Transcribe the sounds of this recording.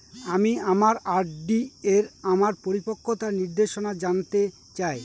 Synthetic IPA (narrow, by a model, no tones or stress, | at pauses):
amiamaɾaɾɖieɾamaɾpoɾipokʰːot̪aɾniɾd̪eʃonad͡ʑant̪e | t͡ɕae